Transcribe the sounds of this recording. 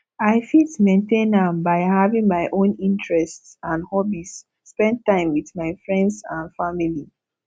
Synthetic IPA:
aɪfitmẽntẽnãmbaɪhavĩŋmaɪʔõnĩntɹɛstsãnhɔbisː | pɛ̃nd̚tãɪ̃mwiθmaɪfɹɛ̃ndsãnfamili

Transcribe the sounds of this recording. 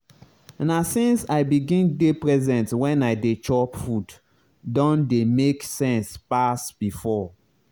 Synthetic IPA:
nasĩnsaɪbiɡĩndepɹɛzɛ̃ntwɛ̃naɪdet͡ʃɔpfud | dɔ̃ndemeksɛ̃nspasb̥ifɔ

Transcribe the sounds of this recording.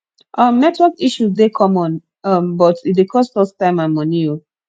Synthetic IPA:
ʔʌmnɛtwɛkiʃuzdekʰɔ̃mɔ̃n | ʌmbɔtidekʰɔstɔstãɪ̃mãnmʌnio

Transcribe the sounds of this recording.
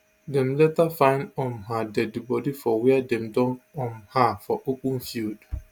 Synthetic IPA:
dɛ̃mlɛtafãɪ̃ndɔ̃mɦadɛdibɔdifɔwɛadɛ̃mdɔ̃nɔ̃mhafɔʔopũnfild

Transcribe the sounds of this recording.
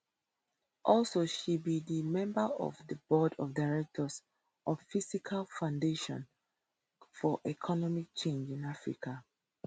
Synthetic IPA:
ʔɔlsoʃibidimɛ̃mbəɔ̰vðəbɔdɔfdaɹɛk̚tʰɔs | ʔɔvfisikʰalfãʊ̃ndeʃɔ̰̃n | fɔʔɛkʰɔnɔmik̚t͡ʃẽnd͡ʒĩnafɹḭkʰa

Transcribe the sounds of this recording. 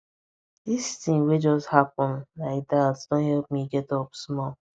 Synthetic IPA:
distĩŋwed͡ʒɔsthapɔ̃nlaɪk̚datd̥õnhɛlp̚miɡɛtɔpsmɔl

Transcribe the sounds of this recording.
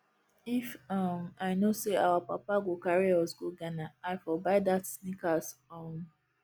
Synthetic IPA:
ifɔmaɪnoseawapa̰paɡokaɾiɔsɡoɡanaaɪfɔbaɪdatsnikasɔn

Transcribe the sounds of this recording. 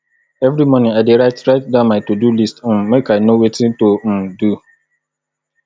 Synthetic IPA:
ɛvɾimɔ̃nɪ̃aɪdeɾaɪtɾaɪt̚dãmãtodulist̩mmekʰaɪnowetʰɪ̃tom̩du

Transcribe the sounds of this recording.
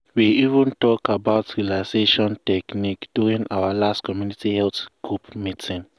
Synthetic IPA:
wiivə̃ntɔkabaʊtɹilaseʃɔ̃ntɛknikd̥juɹĩŋʔawalastkʰɔmjunitihɛlθɡ̥ɹupmitĩn

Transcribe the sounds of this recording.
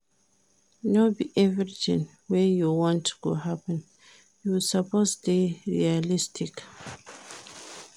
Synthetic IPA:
nobiʔɛvɾitʰḭ̃ŋ | wɛjuwɔ̃ntko̰ɦapə̃n | jusaposteɹḭalistʰik

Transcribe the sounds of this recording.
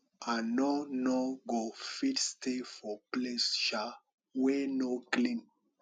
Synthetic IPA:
anɔnɔɡofitstefɔplesʃa | wɛnoklĩn

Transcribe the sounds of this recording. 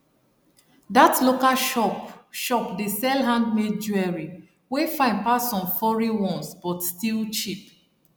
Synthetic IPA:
datlokaʃ | ʃɔpdesɛlɦãndmed͡ʒuɛɹi | wefãɪ̃npasɔ̃mfɔɹiwɔ̃nsb̥ɔtstilt͡ʃip

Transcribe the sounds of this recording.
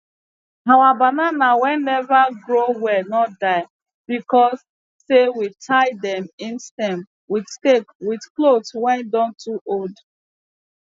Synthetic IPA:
hawabananawɛ̃nːɛvaɡɹowɛnɔtdaɪ | bikɔsː | ewitʰaɪdɛ̃mĩnstɛ̃m | widstekwidklodswɛ̃ndɔ̃ntʰuʔold

